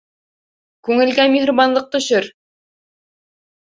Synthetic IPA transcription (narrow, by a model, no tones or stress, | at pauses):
kʉŋɘ̆lɡæmʲihɾoβɑnlˠɤq̚t̪ɵ̆ɕɘɾ